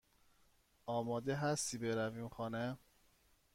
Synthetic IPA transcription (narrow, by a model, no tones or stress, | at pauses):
ɒːmɒːd̪eɦæst̪ʰibeɾæviːmxɒːne